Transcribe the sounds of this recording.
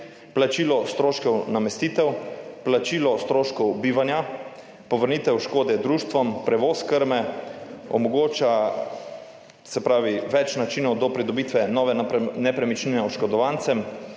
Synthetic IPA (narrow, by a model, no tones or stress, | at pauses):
plat͡ʃiːlɔst̪ɾoːʃkɛwnamɛst̪iːt̪ɛwplat͡ʃiːlɔst̪ɾoːʃkɔwbiːʋanja | pɔʋəɾniːt̪ɛwʃkoːd̪ɛd̪ɾuʃt̪ʋɔmpɾɛʋoːskəɾmɛ | ɔ̰mɔɡoːt͡ʃa | sɛpɾaːʋiʋɛt͡ʃnat͡ʃiːnɔwd̪ɔpɾid̪ɔbiːt̪ʋɛnɔːʋɛnɛpɾɛmit͡ʃninɛɔʃkɔd̪ɔʋaːnsɛm